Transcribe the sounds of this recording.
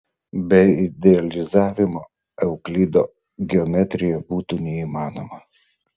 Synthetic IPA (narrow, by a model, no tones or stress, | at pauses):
bʲɛɪɪd̪ʲɛɐlʲɪzɑːʋʲɪmoː | ɛʊklʲiːd̪o̰ː | ɡʲɛɔmʲɛt̪ʲɾʲɪjɛbuːt̪uːnʲɛiːmɑːnoːmɐ